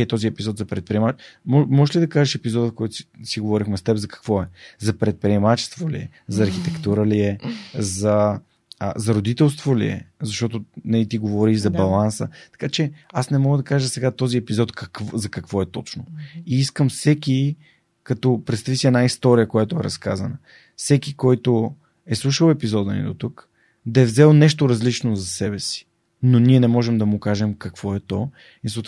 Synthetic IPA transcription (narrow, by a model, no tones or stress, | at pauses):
ɛt̪ɔziɛpizɔt̪zɐpɾɛt̪̚pɾiɛmat͡ʃmɔmɔʒɛʃlid̪ɐkaʒəʃɛpizɔd̪əfkɔjt̪ʊsi̥siɡovɔɾixmɛst̪ɛbzɐkɐ̥kvɔɛzɐpɾɛt̪̚pɾiɛmat͡ʃɛ̥st̪volḭɛ̰ | zɐːɾxit̪ɛkt̪uɾəliɛzɐ | zɐɾod̪it̪ɛlˠst̪volḭɛ̰zɐʃt̪ɔt̪ʊnɛlit̪iɡovɔɾizɐbɐlˠansə̰t̪ɐ̥kat͡ʃɛasnɛmɔɡəd̪ɐkaʒəsɛɡat̪ɔziɛpizɔt̪kɐkvzɐkɐkvɔɛt̪ɔt͡ʃnoiiskəmfsɛki | kɐt̪ɔpɾɛt̪st̪ɐvisiɛnaist̪ɔɾijəkojat̪ʊɛɾɐ̰skazɐnə | fsɛkikɔjt̪ʊ | ɛslˠuʃəlˠɛpizɔd̪ənḭd̪ot̪uk | d̪ɐɛvzɛlˠnɛʃt̪oɾɐzlit͡ʃnozɐsɛbɛsi̥ | noniɛnɛmɔʒɛmd̪ɐmʊkaʒɛmkɐkv̥ɔɛt̪ɔ | isot̪